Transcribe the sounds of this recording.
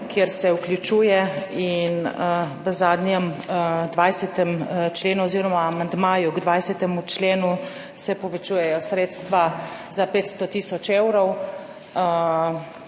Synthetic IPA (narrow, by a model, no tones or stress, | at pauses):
kjeɾsɛuklʲjut͡ʃuːjɛinʋəzaːd̪njɛmd̪ʋajsɛt̪ɛmt͡ʃleːnuɔziːɾɔmaːmand̪maːjuɡd̪ʋajsɛt̪ɛmut͡ʃleːnu | sɛpɔʋɛt͡ʃuːjɛjɔsɾeːt̪st̪ʋazapeːt̪st̪ɔt̪iːsɔt͡ʃewɾɔw